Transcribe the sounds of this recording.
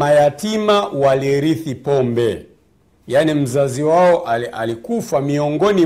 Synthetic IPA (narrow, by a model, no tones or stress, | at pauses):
majatimawaliɾiθipɔmbɛ | janim̩zaziwaɔʔa̰likufamiɔŋɡɔni